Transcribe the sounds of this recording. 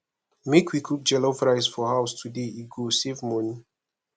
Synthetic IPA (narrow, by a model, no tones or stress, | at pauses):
mekʰwikʰuk̚d͡ʒɛlofɹaɪsfɔhaʊstʰudeiɡosevmɔni